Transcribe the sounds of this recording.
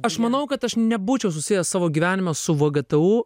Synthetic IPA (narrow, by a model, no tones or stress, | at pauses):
ɐʃmɐnɐʊkɐt̪ɐʃnʲɛbuːt͡ʃʲɛʊs̬ʊsʲɪjɛssɑːʋoːɡʲiʋʲæːnʲɪmʲɛsʊʋɐɡɐt̪ɛuː